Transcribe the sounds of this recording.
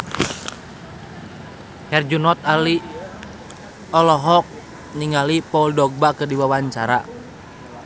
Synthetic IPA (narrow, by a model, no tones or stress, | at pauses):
hɛrd͡ʒunɔt̪̚ali | ɔlɔɦɔk̚ | niŋalipɔuldɔɡ̚bakərdiwawaɲt͡ʃaɾa̰